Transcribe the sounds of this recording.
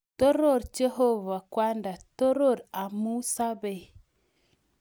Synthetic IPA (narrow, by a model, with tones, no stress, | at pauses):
to˦ɾo˦˨ɾt͡ʃe˦ho˦va˨kwa˦nda˨to˦ɾo˦˨ɾa˨mu˦sa˦be˨